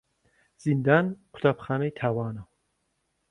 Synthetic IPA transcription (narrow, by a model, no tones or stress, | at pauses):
z̥ind̪anqʷʰʊ̥t̪ʰapʰχanejt̪ʰawaːnɐ